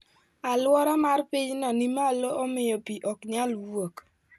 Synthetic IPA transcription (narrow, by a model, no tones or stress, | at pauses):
alwɔɾɔmarpiɲnɔnimaloomɪjopiʔɔkɲalwok